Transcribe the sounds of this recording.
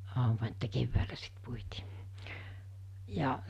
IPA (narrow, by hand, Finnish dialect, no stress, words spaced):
ɑˑumɑ etːæ keʋːæːlæ sit puitiː jɑ